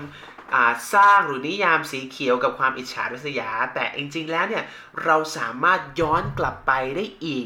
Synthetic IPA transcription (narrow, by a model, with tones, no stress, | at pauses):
n | ʔaː˨˩saː˥˩ŋɾɯː˩˦ni˦˥˨jaː˧msiː˩˦kʰi˨˩˦əwka˨˩p̚kʰwaː˧mʔi˨˩t̪̚t͡ɕʰa̰ː˦ɾa˦˥sa˧jaː˩˦t̪ɛː˨˩ʔi˧ŋt͡ɕi˧ŋlɛː˦˥wni˥˩ɐ | ɾa˧wsaː˩˦maː˥˩t̪̚jɔː˦˥nkla˨˩pːa˧jdaː˥˩jʔiː˨˩k̚